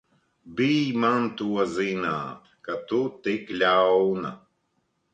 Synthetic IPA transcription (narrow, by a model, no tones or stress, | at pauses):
biːmant̪uwɐzina̰ːt̪ | kat̪ut̪eklʲaːona̰